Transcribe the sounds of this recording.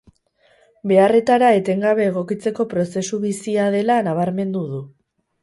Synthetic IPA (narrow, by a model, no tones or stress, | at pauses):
be̞are̞t̪aɾae̞t̪e̞ŋɡaβ̞e̞ːɣ̞o̞kit͡se̞ko̞pɾo̞se̞suβisiað̞e̞lanaβ̞aɾme̞nd̪uð̞u